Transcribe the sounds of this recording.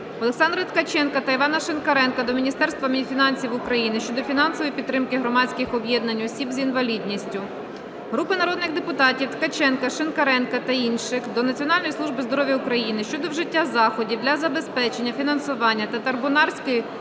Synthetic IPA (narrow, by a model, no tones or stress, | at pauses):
ɔlˠeksɑnd̪ɾɐt̪kɐt͡ʃɛnkɐt̪ɐiʋɑnɐʃenkɐɾɛnkɐd̪ɔmʲinʲist̪ɛrst̪ʋɐmʲfʲinɑnʲsʲiwʊkɾɐjinɪʃt͡ʃɔd̪ɔfʲinɑnsɔʋɔjipʲid̪ːɾɪmkɪɦɾɔmɑt͡sʲsʲkɪxɔbʲjɛd̪nɐnʲɔsʲibzʲinʋɐlʲid̪ʲnʲisʲtʲʊ | ɦɾupɪnɐɾɔd̪̚nɪxd̪epʊt̪ɑtʲiwt̪kɐt͡ʃɛnkɐʃenkɐɾɛnkɐt̪ɐinʃɪxd̪ɔnɐt͡sʲiɔnɑlʲnɔjslˠuʒbɪzd̪ɔɾɔʋʲjɐʊkɾɐjinɪʃt͡ʃɔd̪ɔwʒɪtʲːazɑxɔdʲiwd̪lʲɐzɐbe̞spɛt͡ʃe̞nʲːɐfʲinɐnsʊʋɑnʲːɐt̪ɐt̪ɐrbʊnɑrsʲkɪ